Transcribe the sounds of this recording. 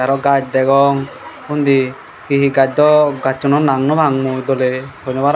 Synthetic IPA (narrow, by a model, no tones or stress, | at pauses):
aɾɔɡad͡ʒ̚d̪ɛɡɔŋ | und̪i | kiɦiɡad͡ʒ̚d̪ɔɡat͡ʃːɔnɔnaŋnɔbʱaŋmud̪ɔlebʰɔɲɔbaɾ